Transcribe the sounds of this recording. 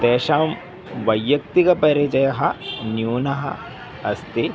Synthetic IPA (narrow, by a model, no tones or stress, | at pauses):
d̪ɛːʃaːm | ʋɐjːɐk̚t̪ikɐpɐɾet͡ʃɐjɐɦɐnjuːnɐɦɐ̰ | ɐst̪e